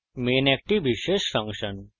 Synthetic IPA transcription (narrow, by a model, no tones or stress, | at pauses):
meːnɛk̚ʈiʋiʃeʃfə̃ŋkʃən